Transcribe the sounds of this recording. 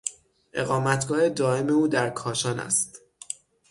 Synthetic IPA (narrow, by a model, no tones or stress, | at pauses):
ʔe̞̰ɣɒːmæt̪ɡɒːed̪ɒːe̞me̞uːd̪æɾkʰɒːʃɒːnæ̰st̪